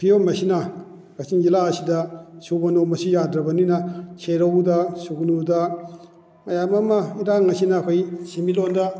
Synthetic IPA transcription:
pʰijomɐsinɐ | ɡɐt͡ʃind͡ʒilasidɐsubɐnomɐsijadɾɐbɐninɐt͡ʃʰeɾɐwdɐsuɡnudɐ | mɐjamɐmɐiɾaŋɐsinɐːkʰojsimilondɐ

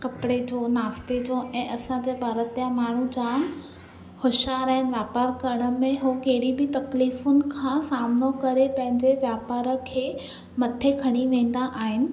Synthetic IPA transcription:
kɐpɽed͡ʑʰoːnaːft̪ed͡ʑʰoʔɛ̃ːʔɐsãd͡ʑeːbʱaːɾət̪ijãmaːɳ̤ud͡ʑã | hʊʃaːɾaɦɪnɪ̆ʋjaːpaːɾkɐɾəɽ̃ə̆mẽɦokeɦɪɽibɪt̪ɐkliːfʊnɪ̆kʰãːsaːmnokɐɾepɐ̃ɦɪ̃ɲd͡ʑeʋjaːpaːɾə̆kʰeː | mɐt̪ʰekʰɐɽ̃iʋẽːn̆d̪aʔaːɦɪnɪ̆

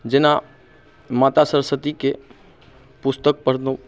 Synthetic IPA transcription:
d͡ʒɪna | maːt̪asəɾsət̪ike | pʊst̪ək̚pəɽd̪õ

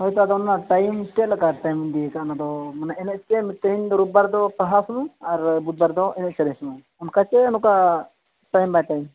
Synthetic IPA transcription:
ɦɔjt̪ad̪ɔnanaʈajmsʈɛlakaʈajmind̪iɛkaʔnad̪ɔmanaɛnɛʔ̚t͡ʃɛmt̪əind̪ɔɾup̚baɾd̪ɔpaɦasnuaɾbut̪̚baɾd̪ɔʔɛnɛʔ̚t͡ʃɛɾɛsnu | ɔnkat͡ʃɛnuka | ʈajmbajt̪ajm

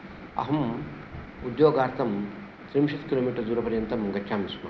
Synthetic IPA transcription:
ɐ̰ɦɐm | ud̪joːɡaːɾt̪ʰɐm | t̪ɾimʃɐt̪kiloːmiːʈɐɾd͡ʒuːɾɐpɐɾjɐnt̪ɐmɐŋɡɐtt͡ʃʰaːmismɐ̰

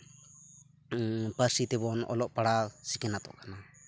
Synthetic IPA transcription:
paɾsit̪ɛbɔnɔ̰lɔʔpaɽasikɛnat̪ɔ̰ʔkana

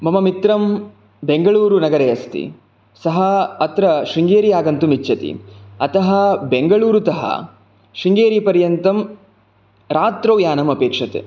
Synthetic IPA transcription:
mɐmɐmit̪ɾɐm | beŋɡɐɭuːɾunɐɡɐɾeɐst̪ḭ | sɐɦɐɐt̪ɾɐʃiŋɡeːɾiaːɡɐnt̪umit͡ʃːɐt̪ḭɐt̪ɐɦɐbeŋɡɐɭuːɾut̪ɐɦɐ̰ | ʂiŋɡeːɾipɐɾjɐnt̪ɐm | ɾaːt̪ɾɐːjaːnɐmɐpeːkʂɐt̪ḛ

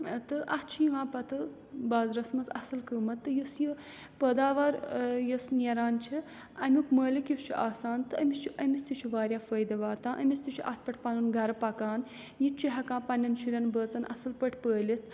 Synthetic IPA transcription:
t̪ɨʔɐh̪t͡ʃʰijiʋãːpɐt̪ɨ | baːzɾɐsmɐzɐ̰sɨlkəːmɐt̪ːɨjusji | pəːd̪aːʋɐɾjosneɾaːnt͡ʃʰi | ɐmʲukməːlikjust͡ʃʰiʔaːsaːnt̪ɨɐmʲist͡ʃʰiʔɐmʲist̪ut͡ʃʰiʋaːɾjaːfəːjd̪ɐʋaːt̪ãːʔɐmʲist̪it͡ʃʰiʔɐt̪̚ʰpɐʈʰpɐnɨnɡɐɾɐpɐkaːn | jit͡ʃiɦɐkãːpɐnʲːɐnʃuɾʲɐnbəːt͡sɐnʔɐ̰sɨlpɐʈʰpəːlit̪̚ʰ

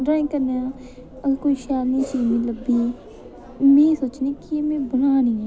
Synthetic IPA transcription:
ɖɾaːɪ̃kəɾneãː | əkoːiːʃaːlnĩːt͡ʃiːnĩːləbiː | mẽːsoːt͡ʃnĩːkiemẽːbənaːnĩːɛː

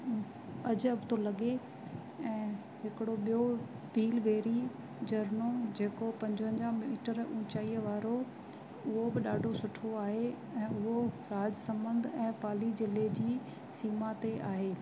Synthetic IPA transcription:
ɐd͡ʑɐbɪt̪ʰolɐɠe | ɛ̃ː | ɦɪkɪɽoɓijo | bʱiːlʋeːɾi | d͡ʑɐɾnod͡ʑeːkopɐ̃ɲd͡ʑʊɦə̃ɲd͡ʑamiːʈəɾũːt͡ɕaːiːəʋaːɾo | ʊɦobɪɗaːɖʱosʊʈʰoaːɦe | ɛ̃ːʊɦoɾaːd͡ʑsɐ̃mbə̃nd̪ʱɛ̃ːpaːlid͡ʑɪled͡ʑiː | siːmat̪eʔaːɦeː

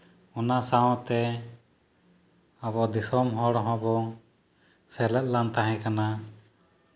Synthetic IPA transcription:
ɔnasaɔ̃t̪ɛ | aβɔd̪isɔmɦɔɽɔɦɔ̃bɔ | sɛlɛt̪̚lant̪aɦɛ̃kana

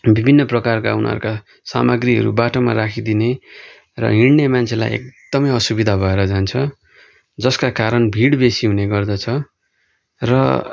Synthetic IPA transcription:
bibʱinːʌprʌkarka̰unʌ̰ɾuka | sa̰mʌɡriɦʌ̰ɾṵbaʈoma̰rakʰid̪ine | rʌ̰ɦiɽnemant͡sʰela̰jḛk̚d̪̥ʌmʌjʌsubid̪ʱabʱʌeɾʌd͡zant͡sʰʌ | d͡zʌskakaɾʌnbʱiɽbesiɦuneɡʌrd̪ʌt͡sʰʌ | rʌ̰

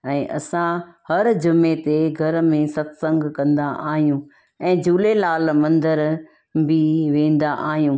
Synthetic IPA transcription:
ɛ̃ːʔɐ̰sãhɐɾd͡ʑʊmːet̪eɡʱɐɾmẽsɐt̪sə̃ŋɡkɐ̃nd̪aʔaːɦijũː | ɛ̃ːd͡ʑuːlelaːlmɐ̃nd̪əɾ | bɪʋẽːn̆d̪aʔaːɦijũː

